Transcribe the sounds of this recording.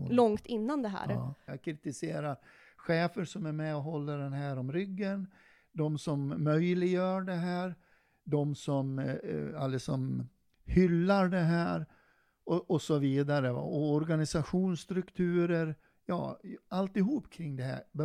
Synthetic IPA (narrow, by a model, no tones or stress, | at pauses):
lɔŋt̪ɪnːand̪ɛɦæ̰ːɾ̰ːjɑkʰɾɪt̪ɪseːɾaɾ | ɧeːfəɾʂɔmæɾmɛɔɦɔlːəɖɛnɦæːɾɔmɾʏɡːən | d̪ɔmsɔmːœjlɪɡjœːɖɛɦæːɾ | d̪ɔmsɔm | alːəsɔm | hʏlːaɾɖɛɦæːɾ | ɔʔɔsɔviːd̪aɾəva̰ɔɔɾɡanɪsaɧuːnst̪ɾɵkt̪ʰʉ̟ːɾəɾ | jɑ̰ːalt̪ɪɦuːpːkʰɾɪŋːd̪ɛɦæ̰ːb